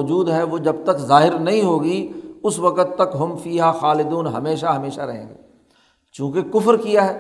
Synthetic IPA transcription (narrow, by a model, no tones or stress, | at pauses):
d͡ʒuːd̪ɦɛʋod͡ʒɐb̚t̪ɐkzaːɦɪɾnɐɦĩɦoːɡiʊsʋɐkət̪ːɐkɦɐmfiːɦaxaːlɪd̪uːnɦɐ̰meːʃaɦɐmeːʃaɾɐɦḛ̃ːɡḛː | t͡ʃjũːkekʊfɾkijaɦɛː